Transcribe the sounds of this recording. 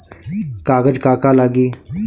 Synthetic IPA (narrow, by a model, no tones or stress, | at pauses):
kaːɡəd͡ʒkaːkaːlaːɡiː